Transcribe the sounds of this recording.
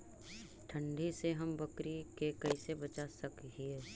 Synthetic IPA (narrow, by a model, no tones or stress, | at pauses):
ʈʰə̃ɳɖʱiseɦɐmbəkɾikekɐɪsebət͡ʃasəkɦie